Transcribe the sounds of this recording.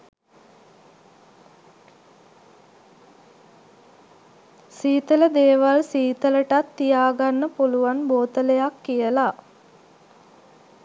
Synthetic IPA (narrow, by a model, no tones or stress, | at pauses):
siːt̪ələd̪eːʋalsiːt̪ələʈat̪ːijaːɡanːəpuluʋanboːt̪ələjakːijəla